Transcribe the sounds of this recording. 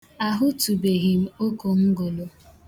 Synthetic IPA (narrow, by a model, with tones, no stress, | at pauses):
a˨ɦʊ˦tu˨be˨ɦi˨m̩˦o˦ko˨ŋ̩˦ɡo˨lo˨